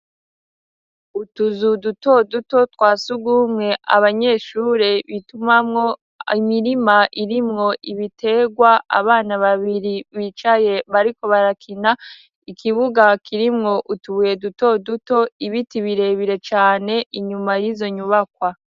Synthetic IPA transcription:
utuzuduto̞duto̞twaːsuɡumŋe̞ʔa̰βaɲe̞ʃuːɾe̞βitumamŋo̞ | imiɾimaʔiɾimŋo̞ʔiβitʰe̞ɡwaʔa̰βaːnaβaβiɾiβit͡ʃaje̞βaɾiko̞βaɾakʰina | ikʰiβuɡakʰiɾimŋo̞ʔutuβuje̞duto̞duto̞iβitiβiɾe̞βiɾe̞t͡ʃaːne̞ʔiɲumajizo̞ɲuβakwa

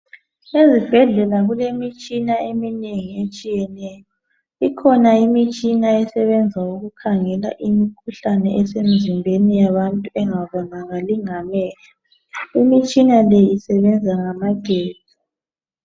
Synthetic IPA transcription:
ezib̥ʱɛɮɛlaɣulemit͡ʃʼinaemineŋiet͡ʃʼijɛnɛjɔ | ikʰɔnaimit͡ʃʼinaɛsɛβɛnd͡zʱauɣukʰaŋɛla̰ʔimikʰuɬanɛʔɛsem̩zimbʱenijaβantʼuɛŋaβɔnaɣaliŋamɛːla | imit͡ʃʼinalɛisɛβɛnd͡zʱaŋamaɡ̥ʱeːz̥ʱi

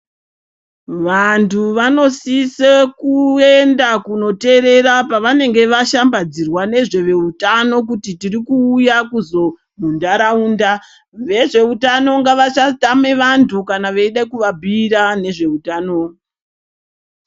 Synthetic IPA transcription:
ʋantʰuʋano̞sisekue̞ndakuno̞te̞ɾe̞ɾapaʋane̞ŋɡe̞ʋaʃambad͡zirwane̞ʐe̞ʋe̞utano̞k̬utitirikuːjakuzo̞ | bʱundaɾauːnda | ʋe̞ʐe̞utano̞ŋɡaʋat͡ʃatame̞ʋantʰukanaʋeiɗakuʋabʱiɾane̞ʐe̞utaːno

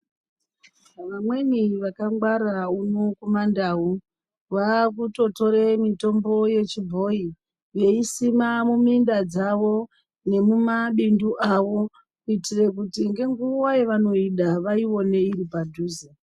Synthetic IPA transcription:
ʋamweniʋakaŋɡwaɾaunokumandaːu | ʋak̬uto̞to̞ɾe̞mito̞mbo̞je̞t͡ʃibʱo̞i | ʋe̞isimamumindad͡zaʋo̞ | ne̞mumaɓinduʔaʋo̞ | kuitire̞kutiŋɡe̞ŋɡuwaje̞ʋano̞iɗaʋaiwo̞ne̞iɾipadʱuːze

